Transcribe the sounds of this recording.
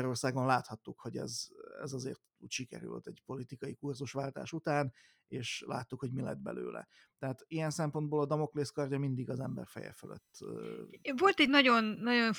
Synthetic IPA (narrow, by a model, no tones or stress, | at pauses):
ɾo̞rsaːɡo̞nlaːt̪hɒt̪ːukho̞ɟɛ̰zɛ̰zɒzḛːrt̪ucʃikɛ̰ɾy̰l̰t̪ːɛɟpo̞lit̪ikɒjikurzuʃʋaːlt̪a̰ːʃut̪aːn | eːʃla̰ːt̪ːukhoɟmilɛ̰d̪bɛ̰lø̰ːlʔɛ̰ | t̪ɛɦaːt̪ijɛnsɛmpond̪boːlɒd̪ɒmo̞kleːskɒrjɒmind̪iɡɒzɛmbɛ̰rfɛ̰jɛ̰fø̰lʔø̰t̪ː | vo̞lt̪ɛɟnɒɟo̞nːɒɟo̞n